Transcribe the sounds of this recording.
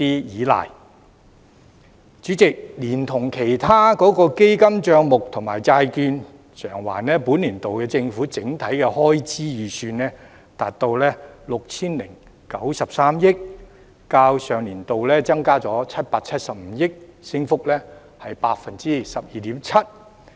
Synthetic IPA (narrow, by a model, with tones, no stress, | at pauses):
iː˥jiː˨˥la̰ː˨˩j | t͡ʃyː˨˥t͡sɪ˨k̚liː˨˩nt̪ʰʊ˨˩ŋkʰe˨˩jt̪ʰaː˥kɔː˨˥kɔː˧ke˥jkɐ˥mt͡ʃœː˧ŋmʊ˨k̚t̪ʰʊ˨˩ŋma̰ː˨˩jt͡saː˧jkyː˧n | sʰœː˨˩ŋwa̰ː˨˩nlɛː˥puː˨˥nliː˨˩nt̪o˨wkɛː˧t͡sɪ˧ŋfuː˨˥t͡sɪ˨˥ŋt̪ʰɐ˨˥jkɛ˧hɔː˥jt͡siː˥jiː˨syː˧nlɛː˥ | t̪aː˨t̚t̪ːo˧wlɛː˥lʊ˨k̚t͡sʰiː˥nlɪ˨˩ŋ | kɐ˨˥wsɐ˨p̚saː˥mjɪ˥k̚ | kaː˧wsœː˨˧ŋliː˨˩nt̪o˨wlɛː˥t͡sɐ˥ŋkaː˥t͡sɔː˨˥t͡sʰɐ˥t̚paː˧k̚t͡sʰɐ˥t̚sɐ˨p̚m̩˨˧˦jɪ˥k̚sɪ˥ŋfʊ˥k̚lɛː˥ | hɐ˨jpaː˧k̚fɐ˨nt͡siː˥sɐ˨p̚jiː˨˩t̪iː˨˥mt͡sʰɐ˥t̚